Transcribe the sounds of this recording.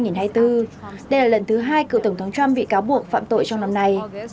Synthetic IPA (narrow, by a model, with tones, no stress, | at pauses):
jŋi˨˩nɦaː˧jt̪ɨ˧ɗə˧jlaː˨˩lə˧˩nt̪ʰɨ˨˦ɦaː˧jkɨ̰˧˨wt̪ə˧˩ŋ͡mt̪ʰə˨˦wŋ͡mt͡ɕwa˧mɓḭ˧˨kaː˨˦wɓu˨˩ək̚fa̰ː˧˨mt̪o̰˧˨jt͡ɕɔ˧wŋ͡mna˧mna˧j